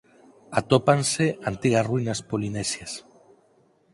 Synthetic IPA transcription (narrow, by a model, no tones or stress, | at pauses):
at̪opanseant̪iɣasruinaspolinesjas